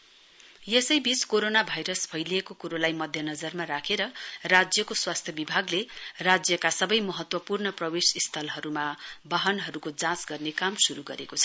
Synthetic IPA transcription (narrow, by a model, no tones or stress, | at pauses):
jesʌjbit͡skoɾonabʱajɾʌsbʱʌjliekokuɾolajmʌd̪ʱjʌnʌd͡zʌrmaɾakʰeɾʌrad͡zjʌkoswast̪ʰjʌbibʱaɡlerad͡zjʌkasʌbʌjmʌɦʌt̪wʌpurnʌprʌbesist̪ʰʌlɦʌɾumabaɦʌnɦʌɾukod͡zãt͡sɡʌrnekamsuɾuɡʌ̰ɾekot͡sʰʌ̥